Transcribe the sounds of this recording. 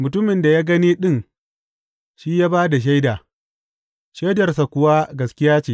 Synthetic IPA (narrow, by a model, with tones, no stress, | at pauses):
mʊ˨tʊ˦mɪ˨nda˨jaː˦ɡɐ˦niː˦ɗɪ˦˨ŋ | ʃiː˦jaː˦baː˦da˨ʃ̬a˦jdaː˨ | ʃa˦dɐ˨rsa˨kʷʊ˨wa˦ɡɐ˨skʲɪ˦jaː˦t͡ʃeː˨